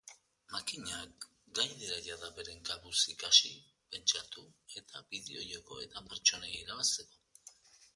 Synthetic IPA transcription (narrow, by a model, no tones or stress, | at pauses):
makiɲak | ɡajðeɾaʎaðaβe̞ɾe̞ŋɡaβusikasi | pe̞nt͡ʃat̪ue̞t̪abiðeo̞joko̞e̞̰t̪apeɾt͡ʃo̞neiɾaβast̪e̞ko̞